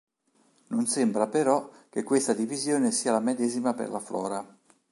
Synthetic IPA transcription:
nonsembɾapeɾɔk̟ːekːwest̪ad̪ivizjoːnesiːalamed̪ɛːzimapḛrlaflɔ̰ːɾa

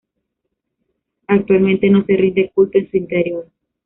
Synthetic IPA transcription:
ak̚t̪walmẽnt̪eno̞serind̪e̞kult̪oensuint̪eɾjo̞ɾ

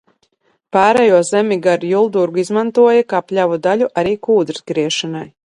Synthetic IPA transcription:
paːɾɛjuɔzɛmʲiɡaɾjulˠd̪uɾɡuizmant̪uɔjakaːplʲavud̪alʲuʔaɾiːkuːd̪ɾsɡɾiɛʃanaj

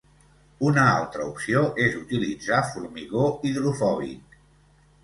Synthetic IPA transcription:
unəa̰lˠt̪ɾəupsioʔezut̪ilid͡zafuɾmiɣoiðɾufɔβḭt̪

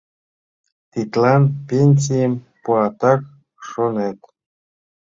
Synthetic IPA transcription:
t̪it̪lɑnpʲenʲsʲijem | puɑt̪ɑk | ʂonet̪

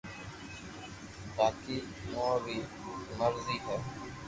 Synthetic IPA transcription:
t̪aːkiː | moːbiː | məɾziːɦ̪ə

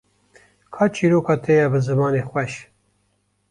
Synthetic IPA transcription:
kʰɑːt͡ʃʰiːɾoːkɑːt̪ʰejɛbɨzɨmɑːneːxʷwɛʃ

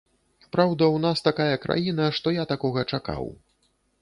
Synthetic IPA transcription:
pɾawd̪ɐwnast̪akajɐkɾʔa̰jinɐʂt̪ɔjat̪akɔɣɐt͡ʂaka̰w

